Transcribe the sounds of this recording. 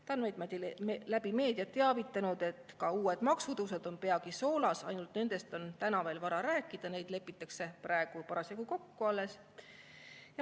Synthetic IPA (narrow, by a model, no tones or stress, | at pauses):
t̪ɑnmejd̪mɑd̪ilæb̥ime̞ːd̪̥iɑt̪ːeɑvit̪ːˑɑnud̪̥e̞t̪ːˑkɑuːe̞d̪̥mɑksud̪uws̬ed̪o̞npe̞ɑkiso̞ːlɑsɑjnult̪ne̞nd̪̥e̞st̪o̞nt̪ænɑve̞ːlvɑɾɑɾæːkːˑid̪̥ɑne̞jd̪̥le̞pːˑit̪ːˑɑkse̞prɑeɡ̥upɑɾɑsjɑkuko̞kːuɑlːe̞s | jɑ